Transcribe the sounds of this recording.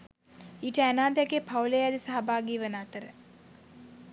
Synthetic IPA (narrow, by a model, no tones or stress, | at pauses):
iːʈəɛnaːd̪jakepʰawlejad̪isaɦɐbʱaːɡiːʋənaːt̪əɾə